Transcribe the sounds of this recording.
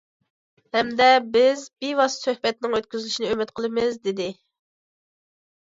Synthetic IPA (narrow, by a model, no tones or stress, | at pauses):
hɛmd̪ɛbɪzbiwɑssøhbɛt̪̚nɪŋøt̪̚kʲyzɪlyʃinɪømɪt̪qʰəlˠɨmɪzd̪ɪd̪ɪ